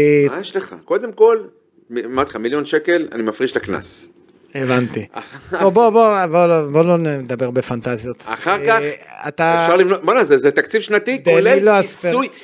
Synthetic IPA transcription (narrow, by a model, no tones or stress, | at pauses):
majeʃleχa̰ko̞d̪emko̞l | mimat̪χamiljonʃekela̰nimafʁiʃlakna̰s | evant̪ia̰aoboboboloboloned̪abeʁbe̞fant̪azjo̞t̪a̰χaʁkaa̰t̪afʃaʁlivnot̪̚bonazezet̪akt͡sivʃnat̪id̪elelloaseuj